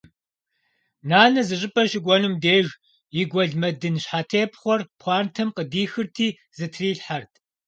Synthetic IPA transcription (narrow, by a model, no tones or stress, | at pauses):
naːɮɐzɨɕʼɪpʼɐʃɪɡʷɔnumdeːʒ | jɪɡʷɔɮmɐdɨnɕħaːtʰeːpʰχʷɔrpʰʷɑːntʰɐmqʼədiːxɨrtʰiː | zɨtʰriːɬħartʰ